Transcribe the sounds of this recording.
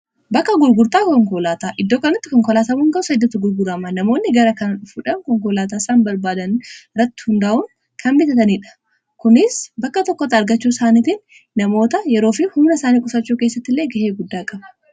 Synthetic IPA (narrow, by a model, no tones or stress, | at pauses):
bɐkːɐɡʊɾɡʊɾt̪aːkɔŋkɔlaːt̪aːʔɪd̪ːoːkɐnɐt̪ːɪkɔŋkɔlaːsɐmuːŋɡɐʔʊsɐd̪ːɐt̪ːʊɡʊɾɡʊɾɐmanɐmo̞ːnːɪɡɐɾɐkɐnᶑʊfuᶑɐnkɔŋk̬ɔlaːt̪̬aːsaːnbɐɾbaːd̪ɐnɾɐt̪ːɪ̥hʊnd̪aːʔʊŋ | kʰɐmbɪt̪ɐt̪ɐniːᶑɐ̥ | kʊnɪsbɐkːɐt̪ɔkːɔt̪ːɐɐɾɡɐt͡ʃːuːsaːniːt̪ɪnː | ɐmo̞ːt̪ɐjɛɾoːfɪhʊmnɐsaːniːkʼʊsɐt͡ʃːuːke̞ːsːɐt̪ːɪlːeːɡɐheːɡʊd̪ːaːkʼɐbɐ̥